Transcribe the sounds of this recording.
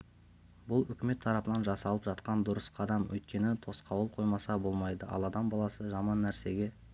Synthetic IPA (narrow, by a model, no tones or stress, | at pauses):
bʊlˠʏkʲɪme̞t̪ʰːɑɾɑpənɑnʒɑsɑlˠəpʒɑt̪qɑnd̪ʊɾəsqʰɑd̪ɑmwʔɵ̰jt̪̚kʲe̞nɪt̪ʰo̞sqʰɑwəlˠqʰo̞jmɑsɑbo̞lˠmɑjd̪əʔɑ̰lˠɑd̪ɑmbɑlˠɑsəʒɑmɑnːæɾse̞ɡʲe̞